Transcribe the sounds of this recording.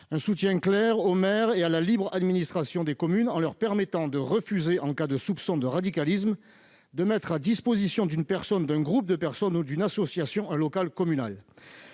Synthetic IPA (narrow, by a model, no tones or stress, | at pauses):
ɛ̃sut̪jɛ̃klɛʁomɛʁealalibʁad̪minist̪χasjɔ̃d̪ekɔmynɑ̃lœʁpɛʁmɛt̪ɑ̃d̪əʁəfyzeʔɑ̃kad̪əsupsɔ̃d̪əʁad̪ikalis̬m | d̪əmɛt̪χad̪ispozisjɔ̃d̪ynpɛʁsɔnd̪ɛ̃ɡʁup̚d̪əpɛʁsɔnud̪ynasɔsjasjɔ̃ɛ̃lɔkalkɔmyna̰l